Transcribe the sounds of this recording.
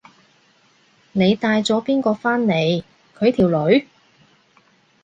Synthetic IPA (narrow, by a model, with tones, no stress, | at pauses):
ne˨˧jt̪aː˧jt͡sɔː˨˥piː˥nkɔː˧faː˥nne˨˧j | kʰɵ˨˧ɥt̪ʰiː˨˩wlɵ˨˥ɥ